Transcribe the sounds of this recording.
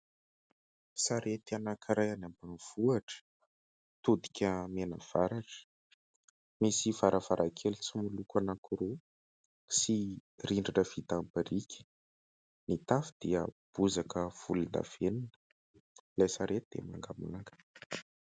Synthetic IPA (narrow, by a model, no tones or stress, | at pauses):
saɾet̪ianakiɾajanambaniv̥uaʈ͡ʂə̥ | t̪ud̪i̥kʲʰəmenə̰v̥aɾaʈ͡ʂə̥ | misivaɾʔavaɾʔakʰelut͡simulukanakuɾo | si | riɳɖ͡ʐanəv̥it̪ambəɾikʲʰə̥ | nit̪afid̪iəb̥uzakəv̥ulind̪a̰v̥eninə | lajsaɾet̪id̪ḛma̰ŋɡamṵnaŋɡə̥